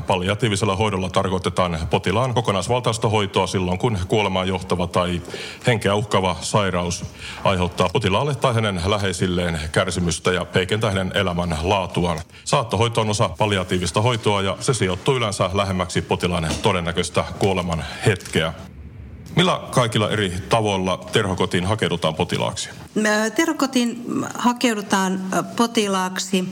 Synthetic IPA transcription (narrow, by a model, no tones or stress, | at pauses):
pɑliɑt̪iːʋiselːɑɦo̞idolːɑt̪ɑrkoit̪et̪ɑːnpot̪ilɑːnkokonɑisʋɑlt̪ɑist̪ɑɦo̞it̪oɑsilːoŋkunkuolemɑːjo̞ht̪ɑʋɑt̪ɑiheŋkeæuhkɑʋɑsɑirɑus | ʔɑ̰jheut̪ːɑːpot̪ilɑːlːet̪ːɑihænenlæɦe̞isilːeːnkærsimyst̪æjɑpeikent̪æːhænenḛlæmænlɑːt̪uɑn | sɑːt̪ːoɦo̞it̪oːnosɑpɑliɑt̪iːʋist̪ɑɦojt̪oɑjɑsesijot̪ːuːylensælæɦemːæksipot̪ilɑnt̪odenːækøst̪ækuolemɑnhet̪keæ | milːækɑikilːɑ̰ʔerit̪ɑʋo̞lːɑt̪erhokot̪inɦɑkewdut̪ɑːmpot̪ḭlɑ̰ːksi̥ | t̪erhokot̪inhɑkeudut̪ɑːnpot̪ilɑːksi